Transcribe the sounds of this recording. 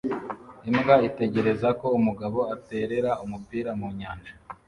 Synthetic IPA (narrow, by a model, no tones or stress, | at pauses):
imɡaite̞ɟe̞ɾe̞zako̞umuɡaβo̞ate̞ːɾe̞ɾaumupiːɾamuɲaːnd͡ʒa